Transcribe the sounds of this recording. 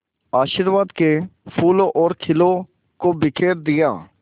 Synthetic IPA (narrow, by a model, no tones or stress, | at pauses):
aːʃəɾʋaːd̪kepʰuːloʔɔːɾkʰɪlo | kobɪkʰeːɾd̪ɪja̰ː